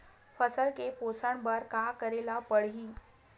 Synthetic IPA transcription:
fəsəlkeposaɳbəɾkakəɾelapəɽɦiː

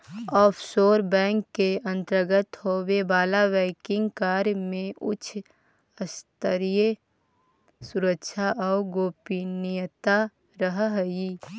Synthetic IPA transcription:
ɔːpʰsoːɾbɛ̃ːŋkːeə̃nt̪ɾəɾɡət̪ɦoːwebaːlaʋɛːkɪ̃ŋɡkaːɾjmẽʔʊt͡ʃʰ | əst̪əɾije | sʊɾəkʃʰaʔɔːɡoːpinɪjət̪a | ɾəɦɦəi

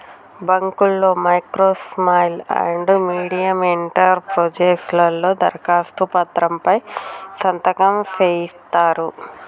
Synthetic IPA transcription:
bɐŋkulːo̞ːmɐjkɾoːsmaːjlɐ̰ɳɖmiːɽijɐmeɳʈɐɾpɾod͡ʒeːslɐlːo̞ːd̪ɐ̰ɾkaːst̪upɐt̪ɾɐmpɐjsɐnt̪ɐkɐmseːjist̪aːɾu

